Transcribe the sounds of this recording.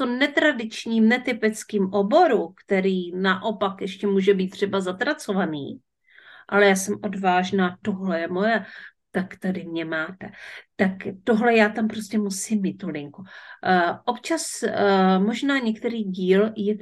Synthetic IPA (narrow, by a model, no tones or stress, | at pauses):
t̪omnɛt̪ɾadɪt͡ʃɲiːmnɛt̪ɪpɪt͡skiːmʔo̞bo̞ɾukt̪ɛɾiːnaʔo̞pakjɛʃcɛmuːʒɛbiːt̪ːr̝̥ɛbazat̪ɾat͡so̞vanḭː | ʔalɛjaːsɛmʔo̞dvaːʒnaːt̪o̞ɦlɛjɛmo̞jɛt̪akt̪adɪmɲɛmaːt̪ɛt̪akt̪o̞ɦlɛjaːt̪ampɾo̞scɛmusɪmːiːt̪ːolɪŋku | ʔopt͡ʃas | mo̞ʒnaːɲɛkt̪ɛɾiːɟiːljɛ